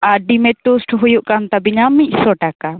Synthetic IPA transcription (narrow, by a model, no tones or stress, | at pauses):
aɖimɛt̪usʈʰɦujuʔkant̪abiɲamic̚ˀsɔʈaka